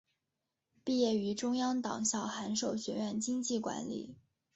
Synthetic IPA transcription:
pi˥˧jɛ˥˩y˧˥ʈ͡ʂʊ˥ŋjɑ˥ŋt̪ɑ̰˨˩ŋɕjɑ˥˩ʊxa˧˥nʂo˥˩ʊɕɥɛ˧˥ɥɛ˥˩nt͡ɕi˥ŋt͡ɕi˥˩kwa̰˧˥nlḭ˨˩˦

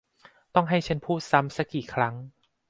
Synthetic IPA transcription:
t̪ɔ˥˩ŋɦa˥˩jt͡ɕʰa˧˥npʰuː˥˩t̪̚sa˦˥msa˦˥kːiː˨˩kʰɾa˦˥ŋ

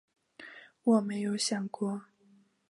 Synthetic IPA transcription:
wɔ˨˩me˧˥ɪjo˧˥ʊɕjɑ˨˩ŋkwɔ˥

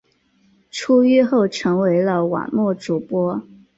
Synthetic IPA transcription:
ʈ͡ʂʰu˥y˥˧xo˥˩ʊʈ͡ʂʰɤ˧˥ŋwe˧˥ɪlə˧wa̰˨˩nmwɔ˥˩ʈ͡ʂu˨˩pwɔ˥

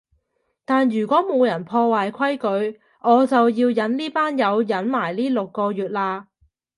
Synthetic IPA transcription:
t̪aː˨njyː˨˩kʷɔː˨˥mo˨˧wjɐ˨˩npʰɔː˧waː˨jkʷʰɐ˥jkɵ˨˧ɥ | ʔɔː˨˧t͡sɐ˨wjiː˧wjɐ˨˥nliː˥paː˥njɐ˨˧wjɐ˨˥nmaː˨˩jliː˥lo˨kːɔː˧jyː˨t̚laː˧

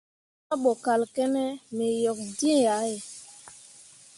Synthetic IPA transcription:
a˦ɓɔ˨ka˨lkɛ˦nɛ˦me˨jɔ˨k̚di˦˨a˨˦e˨

